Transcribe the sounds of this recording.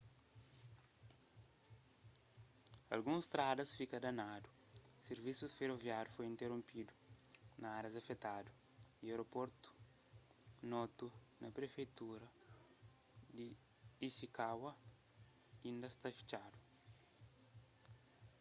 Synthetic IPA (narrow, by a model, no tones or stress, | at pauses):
ɐ̰lɡũst̪ɾad̪ɐsfikɐd̪ɐnadu | seɾvisufeɾovjaɾjufojĩnt̪eɾõmpid̪u̥nɐaɾɐzɐfet̪adu | iewɾopoɾt̪u̥ | nɔt̪u | nɐpɾefejt̪uɾɐ | d̪i | isikawɐ | ĩnd̪ɐst̪afi̥t͡ʃadu̥